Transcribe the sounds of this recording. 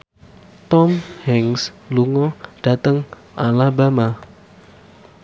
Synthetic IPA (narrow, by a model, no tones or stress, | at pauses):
t̪ɔmhɛŋsluŋɔɖ̥a̤t̪əŋ | ʔalabama